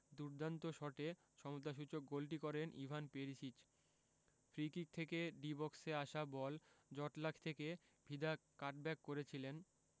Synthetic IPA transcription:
d̪uɾd̪ant̪oʃɔʈe | ʃɔmot̪aʃ̬ut͡ɕok̚ɡolʈ̬ikɔɾenʔḭbʱanpeɾiʃit͡ɕ | fɾikik̚t̪ʰekeɖibɔkseaʃabɔld͡ʑɔʈlakʰt̪ʰeke | bʱid̪akaɾʈ̚bɛkːoɾet͡ɕʰilen

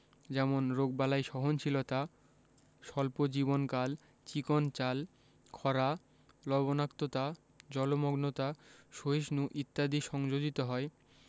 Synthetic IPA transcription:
d͡ʑɛmonɾoɡ̚balaejʃɔɦont͡ɕʰilot̪a | ʃɔlpod͡ʑibonkal | t͡ɕikont͡ɕal | kʰɔɾa | lɔbonakt̪ot̪a | d͡ʑɔlomoɡnot̪aʃoiʃnuʔit̪ːad̪iʃɔŋd͡ʑod͡ʑit̪oɦɔe

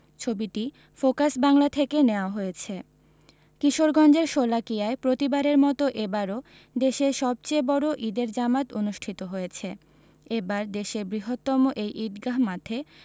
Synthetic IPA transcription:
t͡ɕʰobiʈi | fokasbaŋlat̪ʰekeneoaɦojet͡ɕʰe | kiʃoɾɡɔnd͡ʑeɾʃolakijaepɾot̪ibaɾeɾmɔt̪oʔebaɾo | d̪eʃeʃɔb̚t͡ɕejbɔɾoʔid̪eɾd͡ʑamat̪onuʃʈʰit̪oɦojet͡ɕʰe | ebaɾd̪eʃebɾiɦot̪ːɔmoʔejʔid̪ɡaɦmat̪ʰe

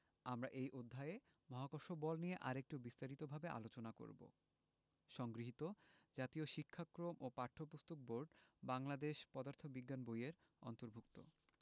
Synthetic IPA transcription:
amɾaʔejʔod̪ʱːae | mɔɦakoɾʃobɔlnijeʔaɾek̚ʈubist̪aɾit̪obʱabeʔa̰lot͡ɕonako̰ɾbo̰ | ʃɔŋɡɾiɦit̪od͡ʑat̪ioʃikʰːakɾomʔopaɾʈʰopust̪ok̚boɾɖbaŋlad̪eʃpɔd̪aɾt̪ʰobiɡːanbojeɾ | ɔ̰nt̪oɾbʱuk̚t̪o̰

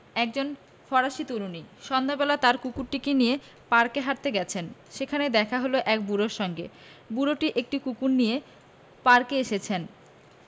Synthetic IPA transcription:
ɛk̚d͡ʑon | fɔɾaʃit̪uɾuniʃɔnd̪ʱabelat̪aɾkukuɾʈikenije | paɾkeɦaɾt̪eɡɛt͡ɕʰenʃekʰaned̪ɛkʰaɦoloʔɛk̚buɾoɾʃɔŋɡḛ | buɾoʈiʔek̚ʈikukuɾnije | paɾkeeʃet͡ɕʰen

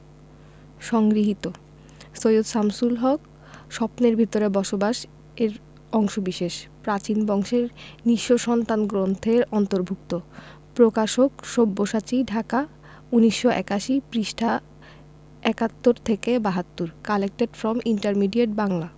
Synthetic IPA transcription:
ʃɔŋɡɾiɦit̪o | sojud̪samsulɦɔk | ʃɔpneɾbʱit̪oɾebɔʃobaʃ | eɾ | ɔŋʃobiʃeʃpɾat͡ɕinbɔŋʃeɾniʃːoʃɔnt̪anɡɾont̪ʰeɾɔnt̪oɾbʱuk̚t̪o | pɾokaʃokʃobːoʃat͡ɕiɖʱaka | uniʃːoʔɛ̰kaʃipɾiʃʈʰa | ɛkat̪ːoɾt̪ʰekebaɦat̪ːuɾkalek̚ʈeɖfɾɔmiɳʈaɾmiɖieʈ̚baŋla

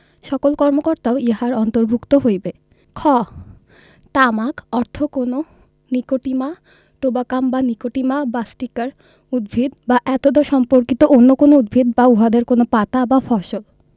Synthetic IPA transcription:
ʃɔkolkɔɾmokoɾt̪aoiɦaɾɔnt̪oɾbʱukt̪oɦojbe | kʰɔ | t̪amakɔɾt̪ʰokono | nikoʈima | ʈobakambanikoʈimabasʈikaɾ | ud̪̚bʱid̪baʔɛt̪od̪oʃɔmpoɾkit̪oʔonːokonoud̪̚bʱid̪bauɦad̪eɾkonopat̪abafɔʃol

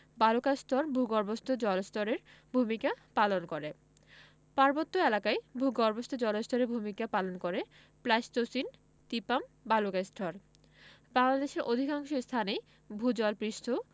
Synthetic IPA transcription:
balokast̪ʰɔɾbʱuɡɔɾbost̪ʰod͡ʑɔlest̪ʰɔɾeɾbʱumikapalonkoɾe | paɾbot̪ːoelakajbʱuɡɔɾbost̪ʰod͡ʑɔlest̪ʰɔɾeɾbʱumikapalonkoɾe | plajst̪osin | t̪ipambalokast̪ʰɔɾ | baŋlad̪eʃeɾʔod̪ʱikaŋʃost̪ʰanej | bʱud͡ʑɔlpɾiʃt̪ʰo

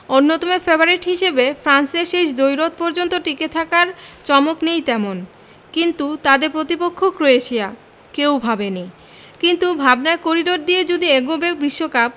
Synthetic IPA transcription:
onːot̪omefebaɾiʈɦiʃebefɾanseɾʃeʃd̪ojɾot̪̚pɔɾd͡ʑont̪oʈiket̪ʰakaɾt͡ɕɔmoknejt̪ɛmon | kint̪ut̪ad̪eɾpɾot̪ipokʰːokɾoeeʃʰija | kewbʱabene | kint̪ubʱabnaekoɾiɖoɾ̚d̪ijed͡ʑod̪iɛɡobek̚bɾiʃːokap̚

